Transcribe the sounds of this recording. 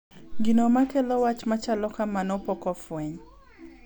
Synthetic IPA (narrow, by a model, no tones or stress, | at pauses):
ɡinomakɛlɔwat͡ʃmat͡ʃalɔkamanɔpɔkɔfwɛɲ